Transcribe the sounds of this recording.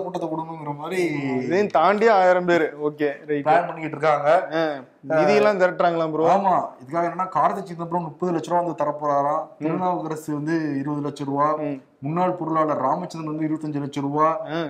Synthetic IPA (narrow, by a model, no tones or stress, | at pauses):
kʊʈːɐt̪ːɐkɔɽɯkːɐʊŋɡɪɾɐmaːd̪ɾiðɐj̃t̪aːɳɖɪjaaːjɾɐmbeːɾɯoːkeːɾɐɪʈaːnpɐɳːɪkɪʈːɾɯkːaːŋɡɐ | ɪðɐjɐlːãːɡɐɾɐk̚ʈːɾaːŋɡɐɭãːpɾaːmaːɪðɯkːaːɣɐeːnːɐːnːaːkaːɾɐt̪ːɐt͡ʃːɪnnɐp̬ːɾɐ̃mnʊʈ̚pːɐðɯlɐt͡ʃːɐɾɐ̃ːɐnd̪ɯt̪ɐɾɐpːɔɾaːlãːt̪ɪɾɯnaːʋɐɣɐɾɐsiʋɐnd̪ɯɪɾɯbɐðɯlɐt͡ʃːɐɾɯʋaː | mʊnːaːɭpɔɾɯɭaːɭɐɾaːmɐt͡ʃːɐnɐnʋɐnd̪ɯɪɾɯʋɐt̪ːɐɲd͡ʒɯlɐt͡ʃːɐɾɯʋaː